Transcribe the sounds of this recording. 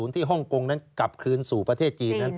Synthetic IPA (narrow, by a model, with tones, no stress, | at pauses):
u˩˦nt̪ʰiː˥˩ɦɔ˥˩ŋko˧ŋna˦˥nka˨˩p̚kʰɯː˧nsuː˨˩pɾa˧t̪ʰeː˥˩t̪̚t͡ɕiː˧nːa˦˥n